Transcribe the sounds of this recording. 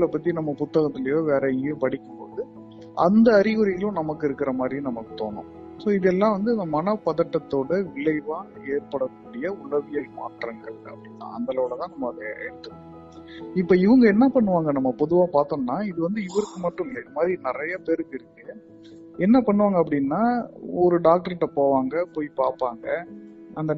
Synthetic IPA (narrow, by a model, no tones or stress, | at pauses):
ɐɭɐpːɐt̪ːinɐmːɐpʊt̪ːɐɣɐt̪ːɪlɐjoːʋeːɾɐopɐɽɪkːɯmpoːðɯ | ʔɐ̰nd̪ɐːɾɪɣɯɾɪjɐlʊ̃nɐmɐkːɯɪɾɯkːɪɾɐmaːd̪ɾinɐmɐkːɯ̥t̪o̰ːnʊ̰̃ | soːɪðɛlːãːʋɐnd̪ɯɪnd̪ɐmɐnɐpːɐðɐʈːɐt̪ːoːɽɐʋɪɭɐɪʋaː | eːɾpɐɽɐkːuːɽɪjɐʊɭɐʋɪjɐma̰ːʈrɐŋɡɐɭɐ̰pːɽɪnːã̰ːɐ̰nd̪ɐlɐʋɪɭɐt̪ãːnɐmːɐɐðɐɛ̰ɽɯt̪ːɯkː | ɪpːoːɪʋɐŋɡɐɛnːɐpɐɳːɯʋaːŋɡɐnɐmːɐpɔðɯʋaːpaːɾt̪onːaːɪðɯʋɐnd̪ɯɪʋɐɾɯkːɯmɐʈːɯ̃mɪlɐɪðɐmaːd̪ɾinɪɾɐjɐpeːɾɯkːɪɾɯkːɯ | ɛnːɐpɐɳːɯʋaːŋɡɐp̬ːɐɽɪnːaːɔɾɯɖaːk̚ʈɐɾɛʈːɐpoːʋaːŋɡɐpoːjpaːɾpaːŋɡɐ | ɐnd̪ɐ